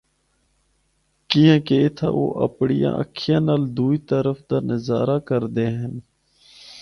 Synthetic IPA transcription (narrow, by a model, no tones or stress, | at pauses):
kijãːkeɪt̪ʰa̰ːʔo̰ːʔə̰pɳijã̰ːʔə̰kʰɪjãːnaːld̪uːiːt̪əɾəfd̪aːnəzaːɾaːkəɾd̪eːɦən